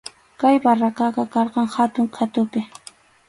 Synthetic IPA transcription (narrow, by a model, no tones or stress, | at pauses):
kajbarakɑqɑkɑɾqɑŋhat̪ʊŋkʰat̪ʊpɪ